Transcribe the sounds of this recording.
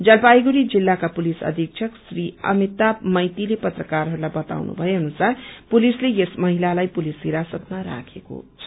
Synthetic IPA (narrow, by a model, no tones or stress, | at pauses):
d͡zʌlpajɡuɾid͡zilːakapulisʌ̰d̪ʱik̚t͡ʃʰʌksriʌ̰mit̪ːamʌjt̪ilepʌt̪rəkaɾɦʌɾulajbʌt̪a̰wnṵbʱʌeɦʌnusarpulislejesmʌɦilalajpulisiɾasʌt̪̚maɾa̰kʰeko̰t͡sʰ